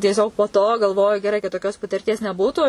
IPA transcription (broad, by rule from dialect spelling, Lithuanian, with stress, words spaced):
tʲiɛˈsʲoːk poː toː ɡɐlˠˈʋoːjʊ ɡʲɛˈrɐɪ kɐt toːˈkʲoːs pɐtʲɪrʲˈtʲiɛs nʲɛˈbuːtuː